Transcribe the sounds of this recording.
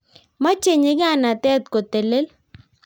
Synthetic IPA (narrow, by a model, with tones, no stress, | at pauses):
ma˦t͡ʃe˨ɲe˦ɡa˦˨na˨t̪ɛ˦t̪ko˨t̪e˨le˦l